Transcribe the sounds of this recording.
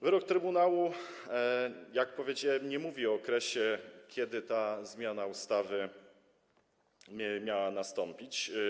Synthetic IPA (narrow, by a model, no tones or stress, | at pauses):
vɘɾɔk̚t̪ɾɘbunawu | jak̚pɔvʲjed͡ʑawɛmɲɛmuvʲiɔːkɾɛɕɛkʲʰjɛd̪ɘt̪azmʲjanaust̪avɘ | mʲjawanast̪ɔmpʲit͡ɕ